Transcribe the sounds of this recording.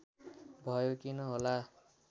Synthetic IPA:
bʱʌjokinʌɦola

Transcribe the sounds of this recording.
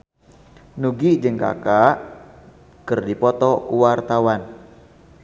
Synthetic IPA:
nuɡid͡ʒɨŋka̰kaʔ | kərdipɔt̪ɔkuwart̪awan

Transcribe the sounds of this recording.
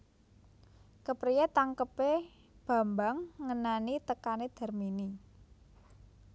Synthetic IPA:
kəpɾijet̪aŋkəpe | b̥a̤mbaŋːənanit̪əkaned̪̥a̤rmini

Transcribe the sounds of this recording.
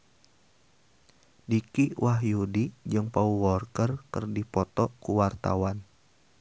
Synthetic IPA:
dikiwʔaɦjudid͡ʒɨŋpauwɔrkərkərdipɔt̪ɔkuwart̪a̰wan

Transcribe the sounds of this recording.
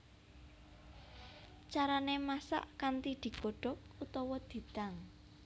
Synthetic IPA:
t͡ʃaɾanemasa̰ʔkant̪id̪̥i̤ɡ̥o̤ɖ̥ɔ̤k̚ut̪ɔwɔd̪̥i̤t̪aŋ

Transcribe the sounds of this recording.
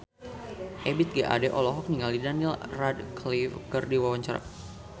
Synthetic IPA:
ʔɛbit̪̚ɡaʔa̰dɛʔɔlɔɦɔk̚niŋalidanilradklifkɨrdiwawaɲt͡ʃaɾa̰

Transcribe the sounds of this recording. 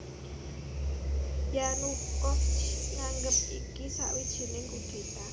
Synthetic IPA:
janukɔft͡ʃŋaŋɡəp̚ikisa̰ʔwid̥ʒ̥i̤nɪŋɡud̪̥e̤t̪a

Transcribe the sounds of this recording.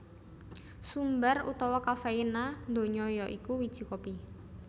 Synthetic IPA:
sumbarṵt̪ɔwɔkafeinand̪o̤ɲɔjɔʔikuwid̥ʒ̥i̤kɔpi

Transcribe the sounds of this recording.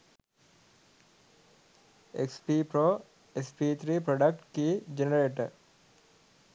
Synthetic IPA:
ḛkspipɾo | espiːt̪ʰɾiːpɾɔɖəkʈkid͡ʒenəɾeːʈəɾ

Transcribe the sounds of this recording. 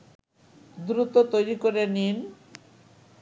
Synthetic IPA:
d̪ɾut̪ot̪ojɾikoɾenin

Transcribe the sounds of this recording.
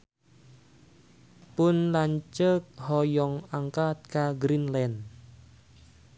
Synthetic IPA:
pʊnlaɲt͡ʃək̚hɔjɔŋaŋkat̪̚kaɡɾinlɛn

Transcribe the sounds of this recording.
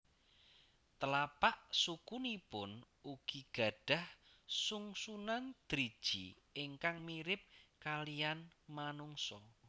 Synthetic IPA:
t̪əlapaʔsukunipʊn | uɡ̥iɡ̥a̤ɖ̥a̤hsuŋsunand̪̥ɾid̥ʒ̥ḭ | ɪŋkaŋmiɾɪp̚kalijanmanuŋsɔ

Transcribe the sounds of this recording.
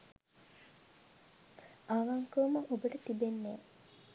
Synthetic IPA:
aʋaŋkəuməʔobəʈət̪ibenːeː

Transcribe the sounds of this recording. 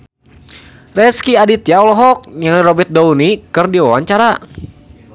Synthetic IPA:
rɛskiadit̪jaɔlɔɦɔk̚ɲaŋliɾɔbɛt̪̚dounikɨrdiwawaɲt͡ʃaɾa

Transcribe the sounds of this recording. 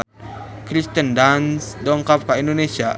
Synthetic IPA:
kɾist̪əndansdɔŋkap̚kaindonesia

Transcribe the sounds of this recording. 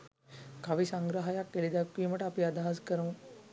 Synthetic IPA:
kaʋisaŋɡɾəɦajakʋelid̪akʋiːməʈəapiad̪aɦaskəɾuŋu

